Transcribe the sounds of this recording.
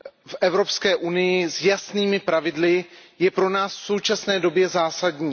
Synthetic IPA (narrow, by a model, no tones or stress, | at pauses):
fʔɛvɾo̞pskɛːʔunɪjɪzjasniːmɪpɾavɪdlɪjɛpɾo̞naːsfso̞wt͡ʃasnɛːdo̞bjɛzaːsadɲiː